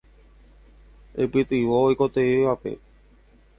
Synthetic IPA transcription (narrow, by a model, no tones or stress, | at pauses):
ḛpɨt̪ɨʋoːjko̞t̪eiʋape̞̰